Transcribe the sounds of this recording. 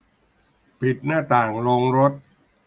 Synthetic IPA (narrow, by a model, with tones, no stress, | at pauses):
pʰi˨˩t̪̚naː˥˩t̪aː˨˩ŋloː˧ŋɾo˦˥t̪̚